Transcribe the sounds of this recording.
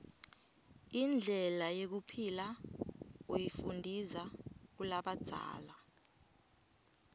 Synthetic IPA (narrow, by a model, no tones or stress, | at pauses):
ind͡ɮʱɛlajek̬upʰila | ojifundʱizak̬ulaɓad̥z̥ʱa̰ːla